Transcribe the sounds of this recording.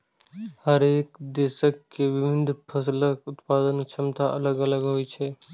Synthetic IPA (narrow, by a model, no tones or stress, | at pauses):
həɾeːkd̪eːsəkːeʋɪbʱɪnd̪ʱpʰəsləkʊt̪paːd̪ənt͡ʃʰəmt̪aʔələɡələɡɦojt͡ʃʰɛ